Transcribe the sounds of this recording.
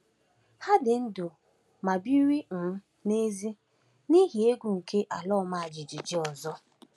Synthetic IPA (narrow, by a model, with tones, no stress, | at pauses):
ha˦dɪ˨n̩˦dʊ˨ | ma˨bi˦ɾi˦n̩˨˦ | ne˦zi˦ | ni˦ɦi˨e˦ɡʷu˨ŋ̩˨kʰe˦ʔa˨lɔ˦ma˨a˨d͡ʒi˨d͡ʒi˨d͡ʒi˦ɔ˨zɔ˦